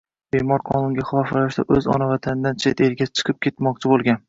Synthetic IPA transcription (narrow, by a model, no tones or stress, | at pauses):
be̞mɒɾqʰɒnʊŋɡʲaχlˠɒfalaʃd̪a̰ʔɵzɒ̰navat̪ʰanɪd̪ant͡ʃʰet̪e̞ɾɡʲat͡ʃʰɨ̥qʰɨp̚kʲʰe̞t̪mɒq̚t͡ʃʰɪbolˠɡʲan